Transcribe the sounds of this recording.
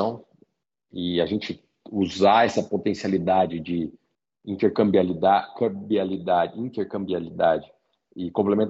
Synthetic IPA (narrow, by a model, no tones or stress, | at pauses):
ɐ̃w̃ | ɪaʒẽnt͡ʃɪ | uzaɛsɐpot̪ẽsialid̪ad͡ʒɪd͡ʒɪ | ĩnt̪eɾkɐ̃mbialid̪akɐ̃bialid̪ad͡ʒĩnt̪eɾkɐ̃mbialid̪ad͡ʒɪ | ɪkõplemẽnt̪